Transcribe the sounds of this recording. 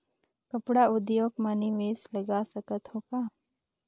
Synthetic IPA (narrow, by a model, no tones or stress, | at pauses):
kəpɽaʊd̪joːɡmaniʋeːsləɡasəkət̪hoːkaː